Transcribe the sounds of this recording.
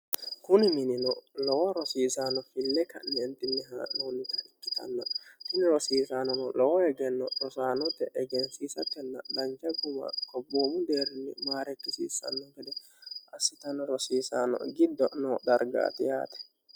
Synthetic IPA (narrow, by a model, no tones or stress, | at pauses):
kʊnɪmɪnɪnɔlɔwɐɾɔsiːsaːnɔfɪlːɛkɐ̰nːɛnt̪ːɪnːɪɦa̰ːnoːnɪt̪ɐɪkːɪ̥t̪ɐ̰nːɐt̪ɪnɪɾɔsiːsanɔnɔlɔwɔhɛɡɛnːɔɗɔsaːnɔt̪ːɛʔɛɡɛnsiːsɐkːɛnːɐd̪ɐnd͡ʒɐɡʊmɐ̰kɔbːoːmʊd̪eːɾɪnːɪ̰maːɾɛkːɪsḭːsɐ̰nːɔɡɛd̪ɛ | ʔɐsːɪt̪ɐnːɔɾɔsiːsaːnɔ̰ɡɪd̪ːɔnɔd̪ɐɾɡa̰ːt̪ɪja̰ːt̪ɛ̥